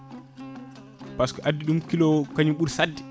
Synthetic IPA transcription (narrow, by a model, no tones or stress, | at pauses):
paskɔʔadːiɗumkilɔkaɲiɓuɾsadːɛ